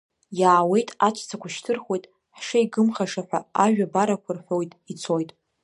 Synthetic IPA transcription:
jaːwe̞jtʼat͡ʃʷʰʼt͡sʰakʷaʃtʰɨrχe̞jtʼ | ħʂaiɡɨmχaʂaħʷᶣaaʒᶣabaɾakʷʰarħʷo̞jtʼit͡sʰo̞jtʼ

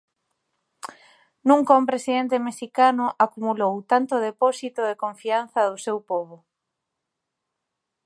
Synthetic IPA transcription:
nũŋkaumpɾesiðent̪emeʃikanʊʔakumulowt̪ant̪ʊðepɔsit̪ʊðekõɱfian̟θɐðʊsewpɔβʊ

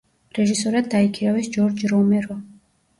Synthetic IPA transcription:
ɾɛʒisɔɾad̪ːaikʰiɾavɛsd͡ʒɔɾd͡ʒɾɔmɛɾɔ

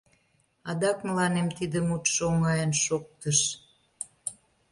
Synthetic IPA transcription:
ɑd̪ɑkməlɑnemt̪id̪əmut̪ʃoŋɑjənʃok̚t̪əʃ

